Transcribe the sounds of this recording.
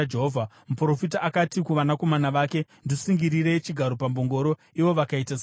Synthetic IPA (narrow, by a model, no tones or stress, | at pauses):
eɦovʱa | mupro̞fitaʔːkatikuʋanako̞manaʋaːke̞ndisiŋɡiɾiɾe̞t͡ʃiɡʱaɾo̞pambo̞ŋɡo̞ɾo̞ | iʋo̞ʋakaitas